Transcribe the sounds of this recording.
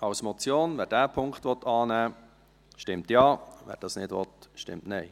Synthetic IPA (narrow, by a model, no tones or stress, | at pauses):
ɑwsmɔt͡sjoːnvæːɾdæːpʰʊŋkχtʋɔt̪ʰɑːnæː | ʃtɪmtjɑːvæ̰ːɾd̥ɑːsnɪdʋɔt̪ʃtɪ̰mtnɛɪ